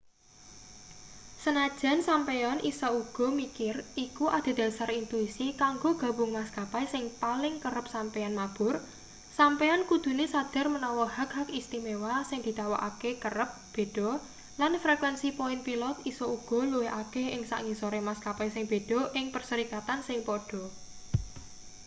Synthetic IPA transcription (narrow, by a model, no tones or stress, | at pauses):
sənad̥ʒ̥a̤nsampeɔnʔḭsɔuɡ̥ɔ̤mikɪrikuʔad̪̥a̤d̪̥ä̤sarint̪uisikaŋɡoɡ̥a̤bʊ̤ŋmaskapajsɪŋpalɪŋkəɾəp̚sampeanmab̥ʊr | sampeɔnkud̪̥ṳnesad̪̥a̤rmənɔwɔhak̚hakist̪imewasɪŋd̪̥i̤t̪awaʔakekəɾəp̚b̥e̤ɖ̥ɔ̤ | lanfɾekwɛnsipoɪnpilɔt̪̚isɔuɡ̥ɔ̤luweʔakeɪŋsa̰ʔŋisoɾemaskapajsɪŋb̥e̤ɖ̥ɔ̤ʔɪŋpərsəɾikat̪ansɪŋpɔɖ̥ɔ̤